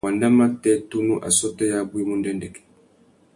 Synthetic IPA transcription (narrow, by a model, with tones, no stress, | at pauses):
wa˨nda˦ma˦tːɛ˦tu˦nu˦ʔa̰˨sɔ˦tːɛ˦jaː˦bu˦ji˦mu˦ndɛ˦ndɛ˨kɛ̥